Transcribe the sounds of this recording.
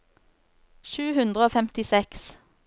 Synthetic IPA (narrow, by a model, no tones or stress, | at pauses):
ʃʉːhʉnd̪ʁəoːfɛmt̪ɪsɛks